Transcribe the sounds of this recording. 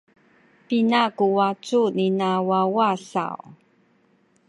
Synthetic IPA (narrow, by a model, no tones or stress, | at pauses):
pinakuwat͡suninawawaɬa̰w